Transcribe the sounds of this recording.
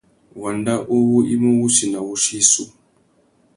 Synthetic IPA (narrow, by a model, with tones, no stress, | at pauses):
wa˨nda˦ʔu˦wu˦i˦mu˦wu˦ʃi˨na˨wu˦ʃi˦su˦